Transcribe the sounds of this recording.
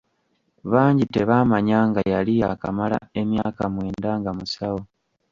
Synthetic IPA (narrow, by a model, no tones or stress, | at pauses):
βaːɲɟite̞βaːmaɲaːŋɡajalijaka̰mala̰e̞mjaːkamwe̞ːndaŋɡamusawo